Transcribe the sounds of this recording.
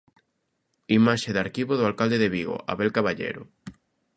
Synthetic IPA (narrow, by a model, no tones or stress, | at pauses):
imaʃeðaɾkiβoðoalkald̪eðeβiɣo̰ʔa̰βelkaβaʎḛɾʊ̰